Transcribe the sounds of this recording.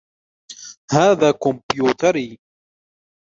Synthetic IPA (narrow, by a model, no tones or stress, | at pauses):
haːðaːkʊmpjuːt̪aɾiː